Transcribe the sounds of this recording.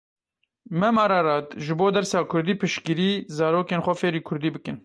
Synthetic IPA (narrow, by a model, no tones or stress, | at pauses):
mɛmɑːɾɑːɾɑːt̪ʒɨboːd̪ɛɾsɑːkʰʊɾd̪iːpʰɨʃkiɾiːzɑːɾoːkeːnxʷɛfeːɾiːkʰʊɾd̪iːbɨkɨn